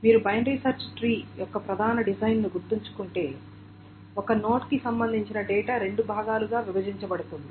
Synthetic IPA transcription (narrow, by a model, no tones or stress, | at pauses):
miːɾubɐjɐnɾisɐɾt͡ʃʈɾiːjɔkːɐpɾɐd̪ʱaːnɐɖid͡ʒɐjnːnuɡuɾt̪ːiɲt͡ʃu̥kuɳʈe̞ː | ɔkɐno̞ːʈkisɐmbɐnd̪ʱiɲt͡ʃinɐɖɛːʈaːɾe̞ɳɖubʱaːɡaːluɡaːʋibɐd͡ʒiɲt͡ʃɐbɐɽut̪und̪i